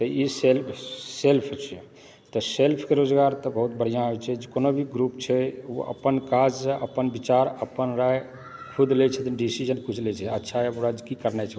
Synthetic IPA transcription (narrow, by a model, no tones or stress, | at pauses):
t̪əiselpʰselpʰt͡ʃʰɛ | t̪ɔselpʰkeɾod͡ʒɡaɾt̪əbəɦut̪̚bəɽ̤ijãɦt͡ʃʰɛd͡ʒekonobʱiɡɾupt͡ʃʰɛo̰ʔə̰pənkad͡ʒsʔəpənbit͡ʃaɾəpənɾaj | kʰud̪let͡ʃʰɛt̪ɖisid͡ʒənkut͡ʃʰlɛt͡ʃʰɛətːʃʰaboɾad͡ʒkikəɾnɛt͡ʃʰɛ